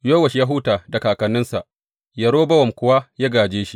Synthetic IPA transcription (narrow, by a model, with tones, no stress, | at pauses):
joː˦wɐ˨ʃja˦ɦʊː˦taː˨da˨kaː˨kɐ˨nːɪ˦nsa˨ʔ | jɐ˨ɽoː˦bɐ˦wɐ˨mkʷʊ˦waː˦ja˦ɡaː˨d͡ʒeː˦ʃi˦